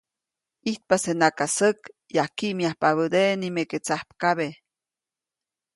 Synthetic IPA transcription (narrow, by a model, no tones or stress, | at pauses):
iht̪̚pasenakasəkjahkiʔmiahpaβəd̪enimeket͡sahpkaβe